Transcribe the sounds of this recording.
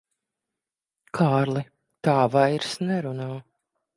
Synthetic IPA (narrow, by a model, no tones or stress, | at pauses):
kʰaːɾlˠi | t̪aːvajɾsnɛɾunaː